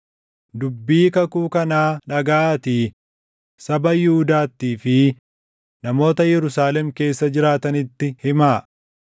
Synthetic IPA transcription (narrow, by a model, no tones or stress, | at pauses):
d̪ʊbːiːkɐkuːkɐnaːᶑɐɡaːt̪iː | sɐbɐjɪhʊd̪aːt̪ːiːfɪ | nɐmo̞ːt̪ɐjɛɾʊsaːlɛmke̞ːsːɐd͡ʒɪɾaːt̪ɐnɪt̪ːɪhɪmaː